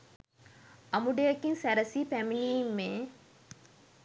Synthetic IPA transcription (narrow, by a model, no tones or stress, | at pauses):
ɐmuɖejɐkinsæɾɐsiːpæminiːmːeː